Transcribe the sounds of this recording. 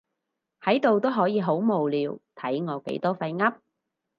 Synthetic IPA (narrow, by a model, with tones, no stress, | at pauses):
hɐ˨˥jt̪o˨wt̪o˥wɦɔː˨˥jiː˨˧ɦo˨˥wmo˨wliː˨˧wt̪ʰɐ˨˥jŋɔː˨˧kḛ˨˥jt̪ɔː˥fɐ˧jŋɐ˥p̚